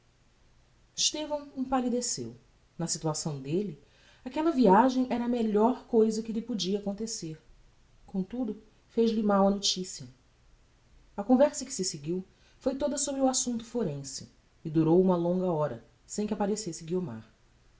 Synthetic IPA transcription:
ɪʃt̪evɐ̃w̃ẽpalid̪esḛw | nɐsit̪uasɐ̃w̃d̪elɪ | akɛlɐviaʒẽj̃ʔɛɾɐːmeʎɔɾkojzɐkɪlɪpud͡ʒiɐːkõnt̪eseɾ | kõt̪ud̪ʊ | feʒlɪmawɐnot͡ʃisiɐ | ɐkõvɛɾsɐkɪ̥sɪseɡiw | fojt̪od̪ɐsobɾɪuasũnt̪ʊ̥foɾẽsɪ | ɪd̪uɾowũmɐlõŋɡɐɔɾɐ̰ | sẽj̃kɪapaɾesesɪɡioma̰ɾ

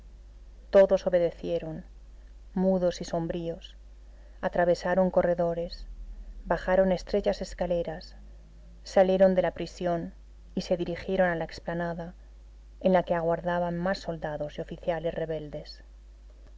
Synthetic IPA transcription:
t̪o̞ðo̞so̞βe̞ðe̞θje̞ɾo̞n | muðo̞siso̞mbɾio̞s | at̪ɾaβ̞e̞saɾo̞ŋko̞re̞ðo̞ɾe̞sbaxaɾo̞ne̞st̪ɾe̞t͡ʃase̞skale̞ɾasː | alje̞ɾo̞nd̪e̞lapɾisjo̞n | ise̞ðiɾixje̞ɾo̞nalaeksplanaða | enlake̞aɣwaɾðaβammasːo̞ld̪aðo̞zeo̞fiθjalesre̞β̞e̞ld̪e̞s

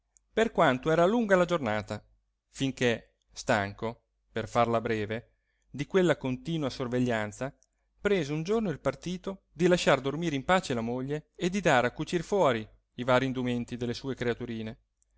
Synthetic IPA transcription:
perkwant̪oɛːɾaluŋɡalad͡ʒornaːt̪a | fiŋke | st̪aŋko | perfarlabɾɛːve | d̪ikwelːakont̪iːnuasorveʎːant̪sa | pɾeːzeund͡ʒornoilpart̪iːt̪o | d̪ilaʃard̪ormiːɾeimpaːt͡ʃelamoʎːeːd̪ːid̪aːɾeakːut͡ʃirfwɔːɾi | ivaːɾind̪ument̪id̪elːesuːekɾeat̪uɾiːne

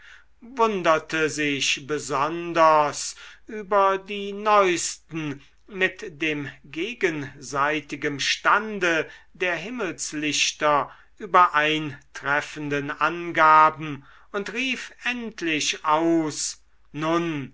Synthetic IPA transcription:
vʊndɐtʰəzɪʃbəzɔndɐsʔyːbɐdiːnɔʏst̪n̩ | mɪtd̥eːmɡeːɡənzaɪtɪɡəmʃtandədeːɐɦɪməlslɪʃtɐ | ʔyːbɐʔaɪntʁɛfəndənʔanɡaːbm̩ | ʊntʁiːfɛntʰlɪʃʔaʊs | nʊn

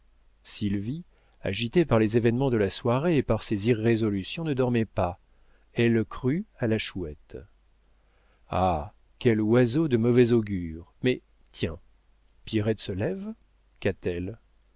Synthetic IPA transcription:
silvi | a̰ʒit̪epaʁlezevɛnmɑ̃d̪əlaswaʁeːpaʁseziʁːezɔlysjɔ̃nəd̪ɔʁmɛpa | ɛlkχyalaʃuɛt̪ | a̰ | kʲɛlwazod̪əmɔvɛzoɡʲyʁmɛ | t̪jɛ̃ | pjiʁɛt̪səlɛv | kat̪ɛl

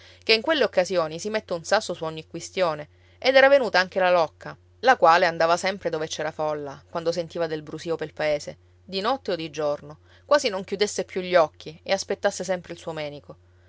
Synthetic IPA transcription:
keiŋkwelːeokːazjoːnisimet̪ːeunsasːosuɔɲːikːwist̪joːne | ed̪ɛːɾavenuːt̪aaŋk̟elalɔkːa | lakwaːleand̪aːvasɛmpɾed̪oːvet͡ʃɛːɾafɔlːakwand̪osent̪iːvad̪elbɾusiːopelpaeːse | d̪inɔt̪ːeod̪ːid͡ʒorno | kwaːzinoŋkjud̪esːepːjuʎːɔkʰːieaspet̪ːasːesɛmpɾeilsuːomɛːniko

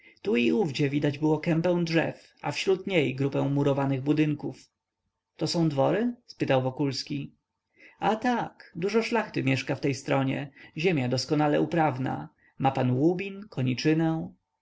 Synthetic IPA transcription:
t̪uiuvd͡ʑɛvʲid̪ad͡ʑbɘwɔkɛmpɛ̃w̃dʐɛ̰f | a̰fɕɾut̪ɲejɡɾupɛ̃w̃muɾɔvanɘɣbud̪ɘŋkuf | t̪ɔsɔ̃w̃d̪vɔɾɘspɘt̪awvɔkulskʲi | at̪akd̪uʐɔʂlaxt̪ɘmʲjɛʂkaft̪ɛjst̪ɾɔɲɛ̰ʑemʲjad̪ɔskɔnalɛ̰upɾavna̰ | mapanwubʲinkʰɔɲit͡ʂɘnɛ̃

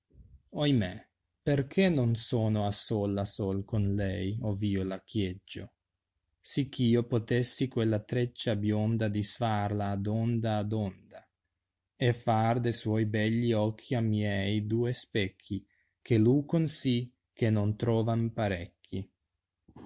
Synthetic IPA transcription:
ojme | perkʰenonsoːnoasoːlasolkonlɛjoviːolakjed͡ʒːo̰ | sikʰːiːopot̪esːikwelːat̪ɾet͡ʃːabjond̪ad̪isfarlaːd̪ond̪aːd̪ond̪a | efard̪eswɔjbɛʎːiɔkʰːiamjɛjd̪uːespɛkʰːi | kʰelukonsi | kenont̪ɾɔːvanpaɾɛkʰːi

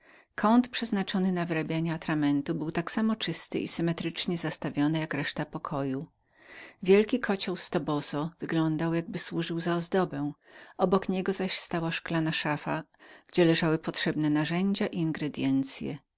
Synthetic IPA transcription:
kʰɔnt̪pʂɛznat͡ʂɔnɘnavɘɾabʲjaɲɛat̪ɾamɛnt̪ubɘwt̪aksamɔt͡ʂɘst̪ɘ̰ʔḭsɘmɛt̪ɾɘt͡ʂɲɛzast̪avʲjɔnɛjakɾɛʂt̪apɔkʰɔju | vʲjɛlkʲikʰɔt͡ɕɔwst̪ɔbɔzɔv̥ɘɡlɔnd̪awjaɡ̚bɘswuʐɘwzaɔzd̪ɔbɛ̃w̃ʔɔbɔkɲɛɡɔzaɕst̪awaʂklanaʂafaɡ̥d͡ʑɛlɛʐawɘpɔtʂɛbnɛnaʐɛɲd͡ʑaʔiiŋɡɾɛd̪ʲjɛnt̪sʲjɛ̰

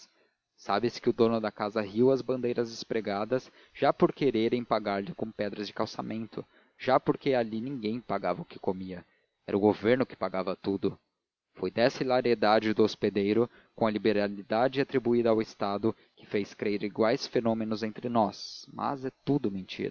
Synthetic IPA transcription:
sabɪskɪʊd̪õnʊd̪ɐkazɐɦiwɐzbɐ̃nd̪ejɾɐzd̪ɪspɾeɡad̪ɐs | ʒ̥apoɾkeɾeɾẽj̃paɡaɾlɪkõpɛd̪ɾɐzd͡ʒɪkawsamẽnt̪ʊ | ʒ̥apoɾkealinĩŋɡẽj̃paɡavɐʊkɪ̥komiɐ | ɛɾɐʊɡoveɾnʊkɪ̥paɡavɐt̪ud̪ʊ | fojd̪ɛsilaɾied̪ad͡ʒɪd̪ʊosped̪ejɾʊ | kõɐlibeɾalid̪ad͡ʒɪat̪ɾibuid̪ɐːwɪst̪ad̪ʊ | kɪ̥fejskɾeɾiɡwajsfenõmẽnʊzẽnt̪ɾɪnɔsmɐ̰zɛt̪ud̪ʊmẽnt͡ʃḭɾ

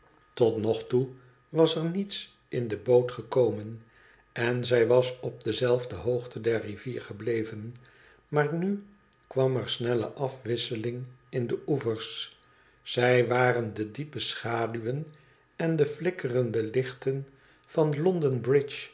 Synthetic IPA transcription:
tɔtnɔχtu | ʋɑsɛɹnits | ʔɪndəbowtχəkowmən | ɛnzɛjʋɑsɔb̚dəzɛlˠvdəɦowχtʰədɛɹriviːɹχəblejvən | maːɹny | kʋɑmɛɹsnɛlə̰ʔɑfʋɪsəlɪŋɪndəʔuvəɹs | sɛjʋaːrəndədipəsχaːdyʋən | ɛndəflɪkərəndəlɪχtən | v̥ɑnlɔndənbrɪt͡ʃ

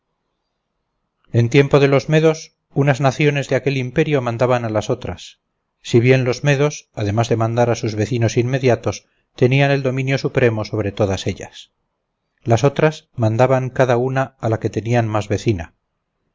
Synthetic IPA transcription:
e̞nt̪je̞mpo̞ðe̞lo̞zme̞ðo̞s | unaznaθjo̞ne̞zðeake̞limpe̞ɾjo̞mãnd̪aβanalaso̞t̪ɾa̰sː | iβje̞nlo̞zme̞ðo̞saðe̞mazðe̞mãnd̪aɾasuzβe̞θino̞sinːe̞ðjat̪o̞s | t̪e̞niane̞ld̪o̞mĩnjo̞supɾe̞mo̞so̞β̞ɾe̞t̪o̞ðase̞ʎa̰s | laso̞t̪ɾasmãnd̪aβaŋkaðaunaːlake̞t̪e̞nianmazβe̞θina

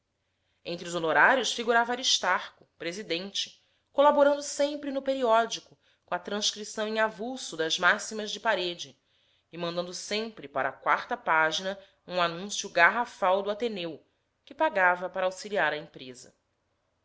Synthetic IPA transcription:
ẽnt̪ɾʊzonoɾaɾjʊsfiɡuɾavɐaɾiʃt̪aɾkʊ̥pɾezid̪ẽnt͡ʃɪ̥ | kolaboɾɐ̃nd̪ʊsẽmpɾɪnʊpeɾiɔd͡ʒikʊ | kõɐt̪ɾɐ̃ʃkɾisɐ̃w̃ẽŋavusʊd̪ɐzmasimɐzd͡ʒɪpaɾed͡ʒɪː | mɐ̃nd̪ɐ̃nd̪ʊsẽmpɾɪpaɾɐ̰akwa̰ɾt̪ɐpaʒinɐ | ũanũsjʊɡaɦafawd̪ʊat̪enew | kɪpaɡavɐpaɾɐawsiliaɾɐĩpɾezɐ̰

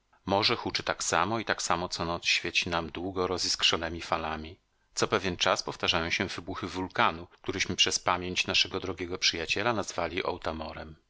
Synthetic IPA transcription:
mɔʐɛxut͡ʂɘt̪aksamɔit̪aksamɔt̪sɔnɔt̪sɕfʲjɛt͡ɕinamd̪wuɡɔɾɔzʲiskʂɔnɛmʲifalamʲi | t̪sɔpɛvʲjɛnt͡ʂaspɔft̪aʐajɔ̃w̃ɕɛvɘbuxɘvulkanuk̚t̪uɾɘɕmɘpʂɛspamʲjeɲt͡ɕnaʂɛɡɔd̪ɾɔɡʲɛɡɔpʂɘjat͡ɕɛlanazvalʲiʔɔ̰wt̪amɔɾɛm

